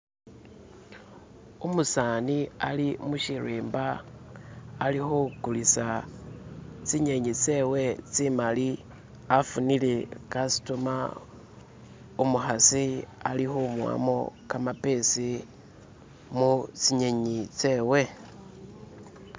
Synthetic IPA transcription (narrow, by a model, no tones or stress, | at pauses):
umusaːnialimuʃiriːmbaː | lixokulisa | t͡siɲe̞ɲit͡seːwe̞t͡simali | afunilekasi̥tuma | umuxasia̰lixomwa̰mokamape̞si | mut͡siɲeɲit͡se̞ːwe̞